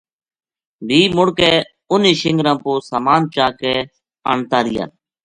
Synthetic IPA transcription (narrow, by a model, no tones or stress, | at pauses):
ʋiːmʊɽkeː | ʊniːʃɪŋɡɾãːpoːsaːmaːnt͡ʃaːkɛː | ə̰ɳt̪aːɾɪja̰ːn